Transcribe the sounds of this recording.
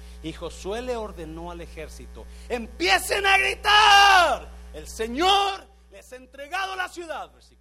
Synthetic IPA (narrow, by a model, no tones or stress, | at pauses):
ixo̞sweleo̞ɾðe̞no̞ale̞xe̞ɾsit̪o̞̰e̞mpje̞se̞naɣɾit̪aɾelse̞ɲoɾ | le̞se̞nt̪ɾe̞ɣaðolasjuðaðbeɾsik